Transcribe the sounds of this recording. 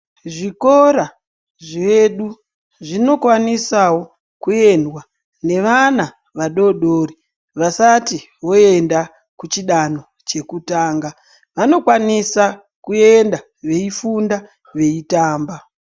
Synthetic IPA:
ʐiko̞ɾa | ʐeɗu | ʐino̞kwanisawo̞ | kue̞ndwa | ne̞ʋana | ʋaɗo̞ɗoːri | ʋasati | wo̞e̞nda | kut͡ʃiɗano̞ | t͡ʃe̞kutaːŋɡa | ʋano̞kwanisa | kue̞nda | ʋe̞ifunda | ʋe̞itaːmba

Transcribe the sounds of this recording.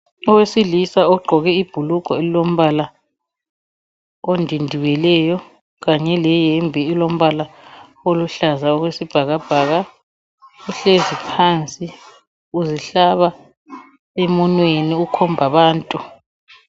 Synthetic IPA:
ɔwesilisaɔɡ͡ǃʱɔɣɛib̥ʱuluɡ̥ʱɔelilom̩βala | ondʱindʱiwɛlɛjɔ | ɣaɲɛlɛjɛmbʱiːlom̩βala | oluɬazaɔɣwesib̥ʱaɣab̥ʱaːɣa | uɬezipʰaːnt͡sʼi | uziɬaβa | emɔnweniukʰɔmbʱaβaːntʼu

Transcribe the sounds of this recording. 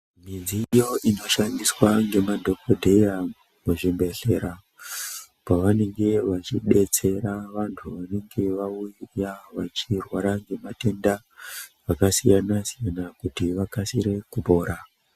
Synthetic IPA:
minzijo̞ʔino̞ʃandiswaŋɡe̞madʱo̞ko̞dʱe̞ja | muʐimbe̞ɬe̞ɾa | paʋane̞ŋɡe̞ʋat͡ʃiɗe̞t͡se̞ɾaʋantʰuʋane̞ŋɡe̞ʋaujaʋat͡ʃirwaɾaŋɡe̞mate̞nda | ʋakasijanasijanakutiʋakasiɾe̞kupo̞ːɾa

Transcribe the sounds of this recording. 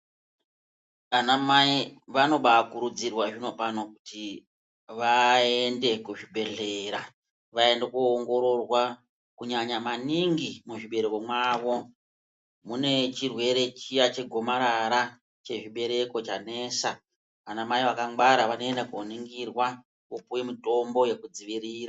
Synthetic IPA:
anamaiʋano̞ɓakuɾud͡zirwaʐino̞panokuti | ʋae̞nde̞kuʐibʱe̞ɮe̞ɾa | ʋae̞ndekuːŋɡo̞ɾo̞rwa | kuɲaɲamaniŋɡimuʐiɓe̞ɾeko̞mwaːʋo̞ | mune̞t͡ʃirwe̞ɾe̞t͡ʃijat͡ʃe̞ɡʱo̞maɾaɾa | t͡ʃe̞ʐiɓe̞ɾe̞ko̞t͡ʃane̞sa | ʋanamaiʋakaŋɡaɾaʋano̞e̞ndakuoniŋɡirwa | opuwemito̞mbo̞je̞kud͡ziʋiɾiːra

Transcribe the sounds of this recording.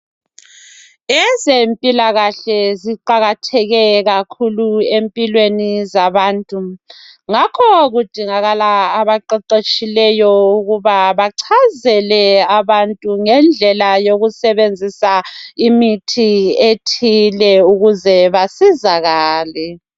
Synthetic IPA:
ɛzempʼilaɣaɬɛziǃaɣatʰɛɣɛɣakʰuluempʼilwenizaβaːntʼu | ŋakʰɔɣud̥ʱiŋaɣalaːβaǃɛǃet͡ʃʼilɛjɔuɣuβaβaǀʰazɛlɛaβantʼuŋɛnd͡ɮʱɛlajoɣusɛβend͡zʱisaimitʰietʰilɛuɣuzɛβasizaɣaːlɛ

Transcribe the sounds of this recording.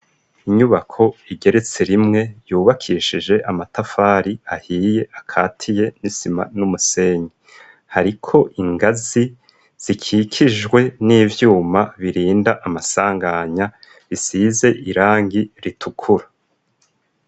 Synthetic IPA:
iɲuβakʰo̞iɡe̞ɾe̞t͡se̞ɾimŋe̞juːβakʰiːʃid͡ʒe̞ʔamatafaːɾiahiːje̞ʔakʰaːtʰije̞nisima̰numuse̞ːɲi | haɾikʰo̞ʔiŋɡazi | z̥ikʰikʰiʒɡwe̞niːvjuːmaβiɾiːndaʔamasaːŋɡaɲa | βisize̞ʔiɾaːŋɡiɾitʰukʰuɾa

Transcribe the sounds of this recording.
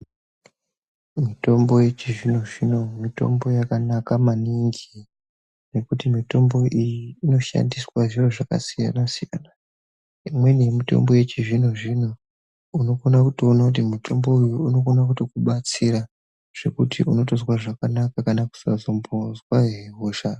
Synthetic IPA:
mito̞mbo̞je̞t͡ʃiʐinoʐino̞mito̞̰mbo̞jakanakamaniŋɡi | ne̞kutimito̞mbo̞ʔijiːno̞ʃa̰ndiswaʐiroʐaka̰sija̰nasija̰na | imwe̞nemito̞̰mbo̞je̞t͡ʃiʐinoʐino̞ | uno̞konakutoonakutimutʰo̞mbo̞ujuuno̞konakutokuɓat͡siɾa | ʐ̥e̞kutiuno̞to̞zwaʐakanakakanaku̥sa̰zo̞mbozwaɦeɦoːʃa

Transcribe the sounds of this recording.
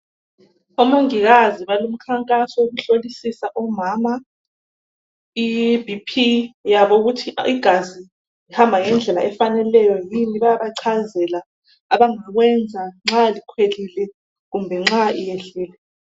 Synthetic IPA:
omuŋiɣaziβalum̩kʰaŋkʼasɔoɣuɬolisisaʔɔmaːma | ibʱipʰijaβouɣutʰiiɡ̥ʱazi | ihambʱaŋɛnd͡ɮʱɛla̰ʔɛfanɛlɛjɔjiniβajaβaǀʰazɛla | aβaŋaɣwɛnd͡zʱaŋ͡ǁalikʰwelilɛ | ɣumbʱɛŋ͡ǁaijeɬɛːlɛ

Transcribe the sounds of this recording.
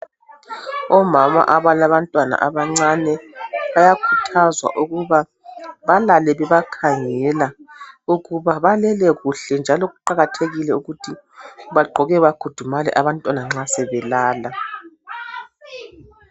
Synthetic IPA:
ɔmama̰ʔaβalaβantʼwana̰ʔaβaŋ͡ǀanɛβajakʰutʰazwa̰ʔuɣuβa | βalalɛβɛβakʰaŋɛlauɣuβaβalɛlɛɣuɬɛnd͡ʒʱalɔɣuǃaɣatʰeɣilɛuɣutʰi | βaɡ͡ǃʱɔɣɛβaɡ̥ʱud̥ʱumalɛ̰ʔaβantʼwanaŋ͡ǁasɛβɛlaːla

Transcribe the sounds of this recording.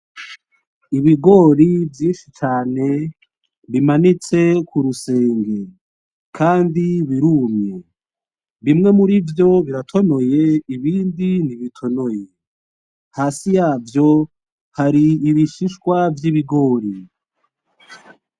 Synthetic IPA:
iβiɡo̞ːɾivjiːnʃit͡ʃaːne̞ | βimanit͡se̞kuɾuse̞ːŋɡe̞ | kʰaːndiβiɾuːmɲe | βimŋe̞muɾivjo̞βiɾatʰo̞no̞je̞iβiːndiniβitʰo̞no̞je | haːsijaːvjo̞ | haɾiːβiʃiʃkwavjiβiɡo̞ːɾi

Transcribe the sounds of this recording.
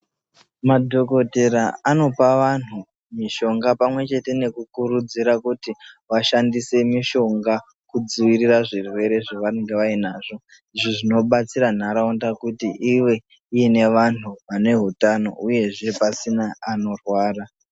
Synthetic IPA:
madʱo̞ko̞te̞ɾaano̞paʋan̤u | miʃo̞ŋɡapamwe̞t͡ʃe̞te̞ne̞kukuɾud͡ziɾakutiʋaʃandise̞miʃo̞ŋɡa | kud͡ziwiriraʐirwe̞ɾe̞ʐaʋaneŋɡe̞ʋainaːʐo̞ | iʐoʐino̞ɓat͡siɾan̤aɾaundakutiiwe̞ | ijine̞ʋan̤uʋane̞ɦutano̞̰uje̞ʐe̞pasinaːno̞rwaːra

